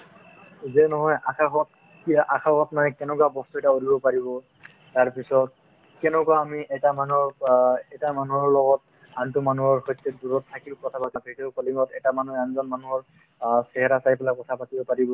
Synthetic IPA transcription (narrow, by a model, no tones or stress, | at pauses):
zɛnɔɦɔjʔaxʰaɦɔt̚ | kiʔaxʰaɦɔtnajkɛnɛkwabɔstuɛtaolibɔpaɹibɔ | taɹpisɔt̚ | kɛnɛkwaːmiʔɛtamanuɹɛtamanuɦɔɹlɔɡɔt̚ | antʊmanuɔɹxɔjtːɛduɹɔtʰːakiʊkɔtʰapatatiteʊkɔlimɔtɛtamanuanzɔnmanuɦɔɹ | sɛɦɛɾasajpɛlakɔtʰapatibɔpaɹibɔ